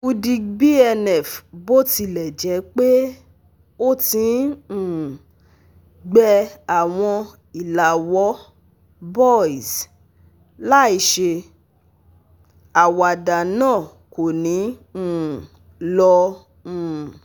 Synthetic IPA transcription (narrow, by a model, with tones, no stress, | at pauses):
u˧di˧bi˦ɛ˧nɛ˨fbo˦ti˧˨lɛ˨d͡ʒɛ˨˦k͡pe˦ | o˦tĩ˧˦˨ | ɡ͡bɛ˧a˨w̃ɔ̃˧ | i˨la˨wɔ˨˦ | bɔ˦˨i˨s | la˦i˨˧ʃe˧ | a˨wa˨da˨nãː˦˨ | ko˨nĩ˨˦˨ | lɔ̃˧˦˨